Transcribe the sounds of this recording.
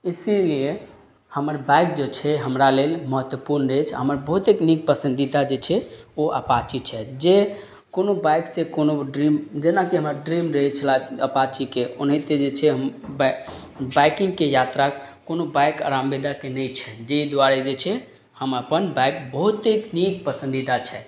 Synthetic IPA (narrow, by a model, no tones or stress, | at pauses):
isilie | həməɾbajk̚d͡ʒet͡ʃʰɛɦəmɾalelməɦət̪wəpuɾnɾet͡ʃʰa̰ɦəməɾbəɦut̪eknik̚pəsə̃nd̪id̪ad͡ʒet͡ʃʰɛoʔə̰pat͡ʃit͡ʃʰɛd͡ʒe | konobajksekonoɖɾimd͡ʒenakiɦəməɾɖɾimɾet͡ʃʰəlaəpat͡ʃikeonɦit̪ed͡ʒet͡ʃʰɛɦəmb | bajkĩŋɡkejat̪ɾakonobajkə̰ɾambed̪akenɛjt͡ʃʰɛd͡ʒed̪ʋaɾɛd͡ʒet͡ʃʰɛ | həməpənbajkbəɦut̪eknik̚pəsə̃nd̪id̪at͡ʃʰɛ